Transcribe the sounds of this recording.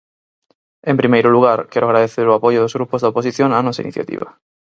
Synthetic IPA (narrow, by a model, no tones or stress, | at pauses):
empɾimejɾoluɣ̞aɾkeɾoaɣ̞ɾaðeθeɾoapoʝoðozɣɾupozðaoposiθjoŋanɔsaḭnḭθja̰t̪ḭβa̰